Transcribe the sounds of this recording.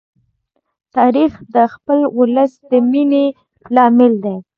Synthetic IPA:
t̪ɑɾixd̪əxpəlwʊləsd̪əmine | lɑmɪld̪e

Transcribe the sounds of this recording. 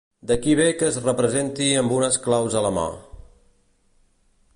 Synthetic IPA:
d̪əkiβekəːzrəpɾəzent̪iəmbunəsklawzələma̰

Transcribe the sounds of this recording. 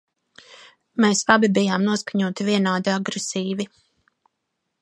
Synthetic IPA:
meːslˠabibijaːmnuɔskaɲuɔt̪ivʲiɛnaːd̪iaɡɾɛsiːvi

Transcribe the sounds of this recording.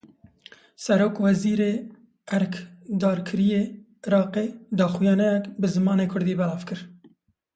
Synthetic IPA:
sɛɾoːkwɛziːɾeː | ɛɾkʰd̪ɑːɾkʰɨɾijeː | ɪɾɑːqeːd̪ɑːxʊjɑːnɛjɛkbɨzɨmɑːneːkʰʊɾd̪iːbɛlɑːv̥kɨɾ

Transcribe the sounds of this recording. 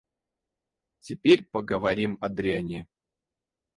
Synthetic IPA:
tʲɪpʲeɾʲpəɡəvɐɾʲimɐd̪ɾʲɪanʲɪ

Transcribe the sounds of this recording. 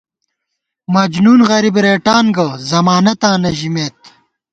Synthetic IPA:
mɐd͡ʑnuːnɣɐɾibɾeːʈaːnɡɐzɐmaːnɐt̪aːnɐʑimeːt̪

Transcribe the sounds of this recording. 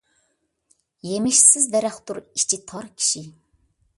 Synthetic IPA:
jemɪʃsɪzd̪ɛɾɛχt̪uɾit͡ʃʰit̪ʰɑɾkʲʰi̥ʃi

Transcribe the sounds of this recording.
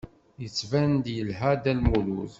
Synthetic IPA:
jət͡sːvænd̪jəlɦæd̪ælmuluð

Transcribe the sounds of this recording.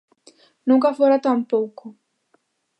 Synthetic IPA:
nuŋkafoɾat̪ampoːko

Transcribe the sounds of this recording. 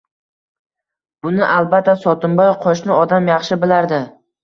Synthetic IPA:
b̥ʊnɪʔalbat̪ʰːasɒt̪ʰʊmbɒjqʰɒʃnɪɒd̪amjɑχʃɪbɪlaɾd̪ɪ

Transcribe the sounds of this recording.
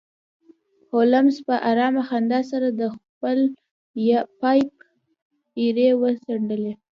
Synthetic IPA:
holamspəʔaɾɑmaxand̪ɑs̬aɾad̪əxpəl | jɑpɑjp̚ | iɾewəsaɳɖəle

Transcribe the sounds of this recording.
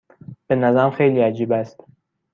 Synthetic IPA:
b̥enæzæmxejliːæd͡ʒiːbæst̪

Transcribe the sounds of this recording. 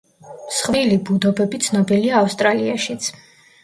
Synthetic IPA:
sχvilibud̪ɔbɛbit̪sʰnɔbiliaːfst̪ʼɾaliaʃit̪sʰ

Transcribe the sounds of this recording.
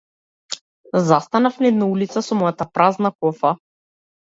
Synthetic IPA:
zast̪anafnɛd̪naulit̪sasɔmɔjat̪apɾaznakɔfa

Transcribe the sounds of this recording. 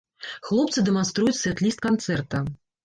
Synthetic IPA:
xlˠɔpt̪sɨd̪ɛmanst̪ɾujut͡sʲsʲvʲɛt̪lʲist̪̚kant̪sɛrt̪ɐ

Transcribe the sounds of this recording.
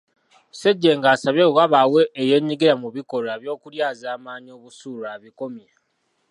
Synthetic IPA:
seɟːeŋɡaːsaβewaβawe̞ːje̞ːɲːiɡiɾamuβiko̞ɾoeβjo̞ːkuɾjaːzaːmaːɲio̞ːβusuːloaβiko̞mja

